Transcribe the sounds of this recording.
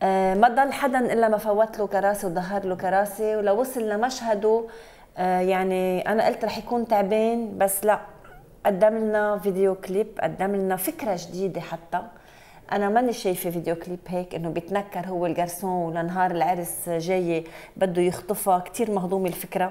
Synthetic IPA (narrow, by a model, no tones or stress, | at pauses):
ʔmad̪ˤɑlːħad̪anʔɪlːamafawːat̪lokɑɾˤɑːsewd̪ˤɑɦːɑɾˤlokɑɾˤɑːsewlawːʊsˤɨlːamaʃhad̪o | jaʕniʔanaʔɪlt̪ɾˤɑːħjakuːnt̪aʕbeːnbasːlaʔ | ʔad̪ːamɪlnavid̪ejoklɪpːʔa̰d̪ːamɪlnafɪkɾaʒd̪iːd̪eħat̪ːa | ʔanamniʃeːjfiviːd̪ejoklɪpɦeːkʔɪnːobjɪt̪nakːɑɾˤɦʊwːelɡɑɾˤsõːwlanɦɑːɾˤɪlʕɪɾsʒeːjːebad̪ːojʊxt̪ˤɨfɑkt̪iːɾmɑhd̪ˤuːmɪlfɪkɾa